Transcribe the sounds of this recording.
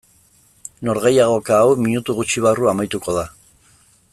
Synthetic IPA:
no̞ɾɣe̞jaɣ̞o̞kaːwmiɲut̪uɣut͡ʃiβ̞aruamajt̪uko̞ð̞a

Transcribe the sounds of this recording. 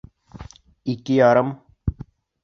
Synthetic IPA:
ikijaːɾɐm

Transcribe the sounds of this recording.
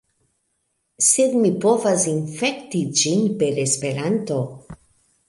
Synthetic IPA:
sed̪mipovasinfekt̪id͡ʒinpeɾespe̞ɾant̪o̞

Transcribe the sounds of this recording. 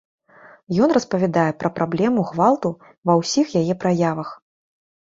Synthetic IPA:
jɔnrɐspɐvʲad̪ajɛpɾɐpɾʔablʲɛmuɣvalˠt̪u | vɐwsʲixjajɛpɾajavɐx

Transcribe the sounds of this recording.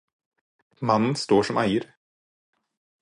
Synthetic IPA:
manːənst̪oːʂɔmʔæjəɾ

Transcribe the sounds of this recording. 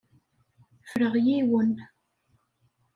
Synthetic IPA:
fəɾəʁjiwən

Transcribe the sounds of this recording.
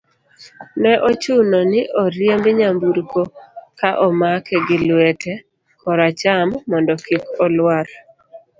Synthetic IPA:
nɛʔɔt͡ʃunɔnɪʔɔɾjembɪɲambuɾkokaʔɔmakɛɡɪlwɛtʰɛ | kʰɔɾat͡ʃamːɔndɔkikɔlwaɾ

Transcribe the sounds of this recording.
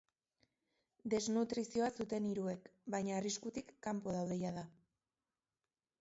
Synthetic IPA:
d̪e̞znut̪ɾisio̞asut̪e̞niɾue̞kbajɲaːriskut̪ikːampo̞ð̞awðe̞jað̞a

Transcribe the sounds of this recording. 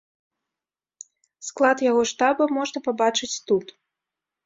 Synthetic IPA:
sklˠat̪jaɣɔʂt̪abɐmɔʐnɐpabat͡ʂɨt͡sʲt̪ut̪

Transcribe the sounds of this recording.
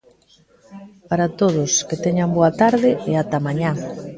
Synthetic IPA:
paɾat̪oð̞ʊsket̪ɛɲamboat̪aɾðɪɛat̪amaɲa

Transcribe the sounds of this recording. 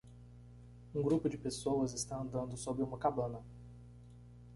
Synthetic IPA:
ũɡɾupʊd͡ʒɪpesowɐzɪst̪ɐ̃ɐ̃nd̪ɐ̃nd̪ʊsobɾɪũmɐkabɐ̃nɐ

